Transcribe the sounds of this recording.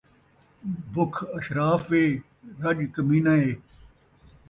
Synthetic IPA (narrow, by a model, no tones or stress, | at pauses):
bʊkʰɐɕɾaːfeː | ɾɐd͡ʒkɐmiːnaeː